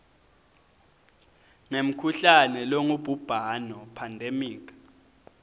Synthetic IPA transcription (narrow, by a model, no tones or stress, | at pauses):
ŋem̩kʰuɬanɛloŋub̥ʱub̥ʱanɔpʰandʱemiːk̬ḁ